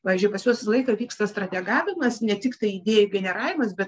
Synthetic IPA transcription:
pɑːʋʲizʒʲd͡ʒʲʊɪpɐsjuɔsʲslˠɐɪkɐʋʲiːkst̪ɐst̪ɾɐt̪ʲɛɡɑːʋʲɪmɐsnʲɛt̪ʲɪkt̪ɐɪɪd̪ʲeːjʊɡʲɛnʲɛɾɑːʋʲɪmɐsbʲɛt̪

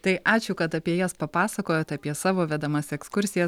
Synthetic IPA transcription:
t̪ɐɪʔɑːt͡ʃʲʊkɐt̪ɐpʲiɛjɛspɐpɑːsɐkoːjoːt̪ɐpʲiɛsɑːʋoːʋʲɛd̪ɐmɐsɛkskʊɾʲsʲɪjɛs

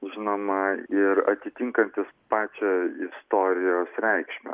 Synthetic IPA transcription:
ʒʲɪnoːmɐɪɾɐt̪ʲɪt̪ʲɪŋkɐnʲt̪ʲɪspɑːt͡ʃʲɛɪst̪oːɾʲɪjoːsɾʲɛɪkʃʲmʲɛ̰

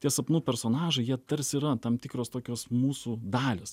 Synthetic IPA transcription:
t̪ʲiɛsɐpnuːpʲɛɾsoːnɑːʒɐɪjiɛt̪ɐɾʲsʲiːɾɐt̪ɐmt̪ʲɪkɾoːst̪oːkʲoːsmuːsuːd̪ɑːlʲeːs

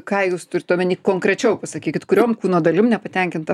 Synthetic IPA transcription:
kɑːjuːst̪ʊɾʲɪt̪ːoːmʲɛnʲiːkkoːŋkɾʲɛt͡ʃʲɛʊpɐsɐkʲiːkʲɪt̪kʊɾʲoːmkuːnoːd̪ɐlʲɪmnʲɛpɐt̪ʲɛŋʲkʲɪnt̪ɐ

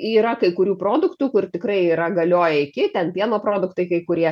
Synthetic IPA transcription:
iːɾɐkɐɪkʊɾʲuːpɾoːd̪ʊkt̪uːkʊrt̪ʲɪkɾɐɪiːɾɐɡɐlʲoːjɛɪkʲɪt̪ʲɛnpʲiɛnoːpɾoːd̪ʊkt̪ɐɪkɐɪkʊɾʲiɛ

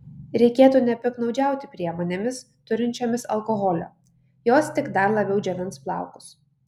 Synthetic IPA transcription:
ɾʲɛɪkʲeːt̪uːnʲɛpʲɪknɒʊd͡ʒʲæˑʊt̪ʲɪpʲɾʲiɛmoːnʲeːmʲɪs | t̪ʊɾʲɪnʲt͡ʃʲoːmʲɪsɐ̰lˠkoɣɔlʲo̰ː | joːst̪ʲɪɡd̪ɐɾlˠɐbʲɛʊd͡ʒʲɛʋʲɪnsplˠɑ̰ˑʊkʊ̥s

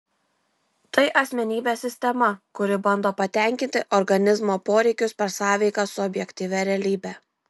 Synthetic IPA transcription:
t̪ɐɪʔɐsʲmʲɛnʲiːbʲeːsʲɪsʲt̪ʲɛmɐkʊɾʲɪbɐnd̪oːpɐt̪ʲɛˑŋʲkʲɪnʲt̪ʲɪʔɔɾɡɐnʲɪzmoːpoːɾʲɛɪkʲʊspʲɛɾsɑːʋʲɛɪkɑsʊɔbʲjɛkʲt̪ʲiːʋʲɛɾʲɛlʲiːbʲæː

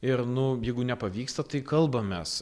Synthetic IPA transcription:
ɪɾnʊjɛɪɡʊnʲɛpɐʋʲiːkst̪ɐt̪ɐɪkɐlˠbɐmʲɛs

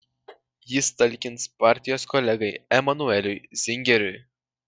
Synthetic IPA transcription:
jɪst̪ɐlʲkʲɪnspɑˑɾʲt̪ʲɪjoːskɔlʲɛɡɐɪɛmɐnʊɛlʲʊɪzʲɪŋʲɡʲɛɾʲʊɪ

